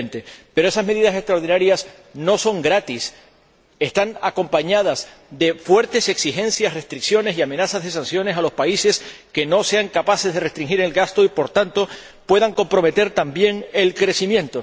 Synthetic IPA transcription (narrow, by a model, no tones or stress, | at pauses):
nt̪e̞pe̞ɾoe̞sazme̞ðiðase̞st̪ɾaoɾðinaɾjas | no̞so̞ŋɡɾat̪is | e̞st̪aŋako̞mpaɲað̞as | ðe̞fwe̞ɾt̪e̞se̞ksixẽ̞nsjasre̞st̪ɾiksjo̞ne̞siame̞nasazðe̞sãnsjo̞ne̞salo̞spaise̞ske̞no̞se̞aŋkapase̞zðe̞re̞st̪ɾiŋxiɾe̞lɡast̪o̞ipo̞ɾt̪ant̪o̞ | pwe̞ðaŋko̞mpɾo̞me̞t̪e̞ɾt̪ambje̞ŋe̞lkɾe̞simjẽ̞nt̪o̞